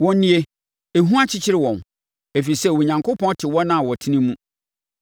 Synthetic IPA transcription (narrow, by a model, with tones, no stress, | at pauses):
wɔ̃˨n˦nĩ˦e˦ | e˨ɦũ˦a˦t͡ɕʰɪ˦t͡ɕʰɪ˦ɾɪ˦wɔ̃˨n | e˨fi˨sɛ˦˨wɔ˨ɲã˨ŋkʰo˦pʰɔ̃˦n˦tʰɪ˨wɔ˦nã˦˨wɔ˨tʰi˦nĩ˦mũ˦